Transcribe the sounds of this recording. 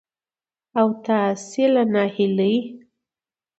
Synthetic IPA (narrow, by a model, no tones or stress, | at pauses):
awt̪asilanahilɨj